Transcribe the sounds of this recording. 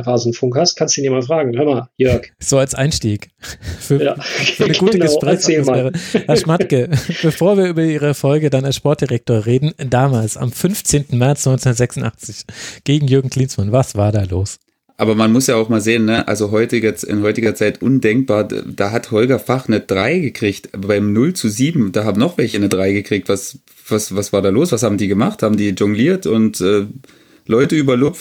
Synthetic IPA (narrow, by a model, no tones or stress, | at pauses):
ʁaːznn̩fʊŋkhast̚kʰansdu̥inimaːfʁ̥aːɡŋ̩høɐmajœɐkz̥oːalsʔa̰ɪnʃtiːkfyːɐafyɐnəɡuːtəɡəʃpʁ̥ɛːçsaeːsmafɛːʁəhaʃmatkəb̥əfoːɐviːɐʔyːbɐiːʁ̞əfɔlɡədanalsʃpɔɐt̚d̥iʁɛk̚toːɐʁeːdn̩daːmaːlsa̰mfʏnft͡seːntn̩mɛɐt͡snɔʏnt͡snːɐtzɛksʊn̩tʔa̰χt͡sɪçɡ̥eːɡŋ̩jʏɐɡŋ̩kʰl̥iːnsmanvasv̥aːɐdaːloːs | ʔaːbɐmanmʊsjaːaʊxmaːlzeːənːəʔa̰lzoɦɔʏtɪɡɛt͡sɪ̰nhɔʏtɪɡɐt͡saɪtʔʊndɛŋk̚b̥aːɐd̥aːɦathɔlɡɐfaχnəd̥ʁaɪɡəkʁ̥içtbaɪmnʊlt͡suziːbm̩d̥aːhaːbm̩nɔχv̥ɛlçənədʁaɪɡəkʁ̥iːk̚tv̥as | v̥asvasv̥aːɐɾaːloːsv̥ashaːbm̩diːɡəmaχthaːbm̩diːʒʊŋɡliːɐtʊntʔɛː | lɔʏtəyːbɐlʊpft